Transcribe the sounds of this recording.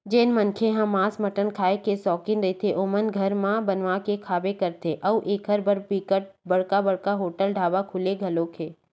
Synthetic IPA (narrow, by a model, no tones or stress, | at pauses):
d͡ʒeːnmənkʰeɦãmãːsmɐʈənkʰaːekesɔːkɪnɾɐɦet̪ʰeʔʊmənɡʱɐɾmãbɐnʋakekʰaːbekɐɾt̪ʰeʔɐuʔeːkɦəɾbʱəɾpiːkəʈ̚bɐɽ̤kabɐɽkaɦoːʈəlɖʱaːʋakʰʊleɡʱɐlõkʰeː